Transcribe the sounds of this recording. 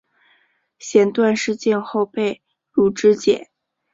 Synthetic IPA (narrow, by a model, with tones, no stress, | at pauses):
ɕjɛ˧˥nt̪wa˥˧nʂɻ̩˥˧t͡ɕjɛ˥˧nxo˥˧ʊpe˥˧ɪ | ɻu˥˩ʈ͡ʂɻ̩˥t͡ɕjɛ̰˨˩˦